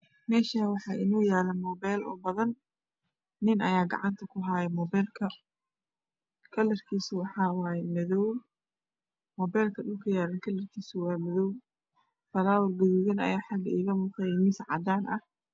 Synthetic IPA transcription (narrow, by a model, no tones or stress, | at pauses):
mɛːʃaːwɑħɑːʔɪnuːjaːlɐmɔːbɛːlɔ̰ːbɐðɐnː | ɪnʔɐjaːɡɐ̰ʕɑnt̪ʰɐkʰʊɦaːjɛmɔːbɛːlkʰɐ | kʰɐlːɐrkʰiːsɪwɑħɑːwɑːjɛmɐðɔw | mɔːbɛːlkʰɐɗʊlkʰɐjaːlɐnkʰɐlːɐrkʰiːsʊwɑːmɐðɔw | b̥ɐlaːwɐrɡɐðuːɣɐnɐ̰jaːħɑɡɐiːɣɐmuːqɛjɛmɪnsʕɑ̰d̪aːnʔɐh